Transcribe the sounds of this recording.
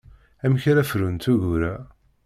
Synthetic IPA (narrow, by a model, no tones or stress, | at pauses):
æmçɾæfɾunt̪uʝuɾæ